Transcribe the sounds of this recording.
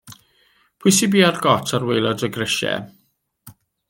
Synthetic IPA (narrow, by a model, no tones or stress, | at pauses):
pʰuɨsibiːarɡɔtʰaɾwejlˠɔdəɡrəʃɛ̰